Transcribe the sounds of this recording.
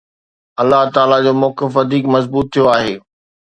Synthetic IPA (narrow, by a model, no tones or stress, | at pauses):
ɐlːaɦt̪aːlad͡ʑoːmɔːkɪfʋɐd̪ʱiːkmɐzbuːt̪ʰːijoaːɦeː